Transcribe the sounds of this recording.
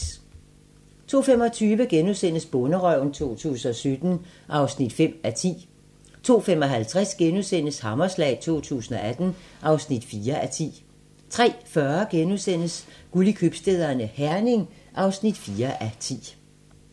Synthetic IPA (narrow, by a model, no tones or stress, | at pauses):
t͡sʰo̝̰ːfemɒ̽t͡sʰyːʋəɡ̥enusen̰əsb̥ɔnəʁœʊn̩t͡sʰo̝̰ːt͡sʰṵːsn̩ɒsød̥n̩ʔɑ̈ʊsnid̥fem̰æt͡sʰḭː | t͡sʰo̝̰ːfem̰ɒ̽ɦælt͡sʰʁasɡ̥enusen̰əshɑ̈mɐslɛ̰ːɪt͡sʰo̝̰ːt͡sʰṵːsn̩ɒ̽ʔæd̥n̩ʔɑ̈ʊsnid̥fiːɐʔæt͡sʰḭː | t͡sʰʁɛ̰ːfɶɐɡ̥enusen̰əsɡ̥ulikʰyb̥sd̥e̝ð̰ˠɐnəhæɐne̝ŋʔɑ̈ʊsnid̥fiːɐʔæt͡sʰḭː